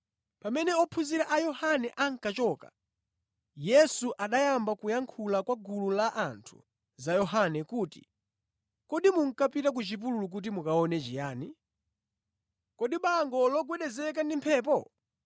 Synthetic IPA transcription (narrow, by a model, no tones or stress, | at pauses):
pamɛnɛɔpʰuziɾaʔajɔhanɛʔaŋ̩kat͡ʃɔːka̰ | jɛsuʔaɗajambakujaŋkʰulakwaɡululaʔantʰu̥̰ | zajɔɦanɛkuːtḭ | kɔɗimuŋ̩kapitak̬ut͡ʃipululuk̬ut̬imukaɔnɛt͡ʃijaːni | kɔɗiɓaŋɡɔlɔɡwɛɗɛzɛkandimpʰɛːp̬ɔ